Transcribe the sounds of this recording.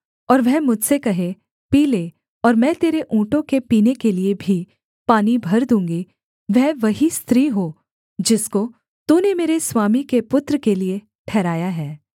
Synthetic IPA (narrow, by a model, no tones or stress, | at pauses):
ɔːɾʋɛɦmʊd͡ʒʱsekɐɦẽ | piːleː | ɔːɾmɛ̃t̪eːɾeʔũːʈõkepiːnekeliebʱi | paːnibʱɐɾd̪ũːŋɡi | ʋɛɦʋɐɦist̪ɾiːɦo | d͡ʒɪsko | t̪uːnemeːɾeswaːmikepʊt̪ɾəkelie | ʈʰɛːɾaːjaɦɛː